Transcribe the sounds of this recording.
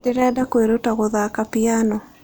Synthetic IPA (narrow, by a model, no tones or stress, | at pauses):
deɾɛdakweɾotaɣoðakapianɔ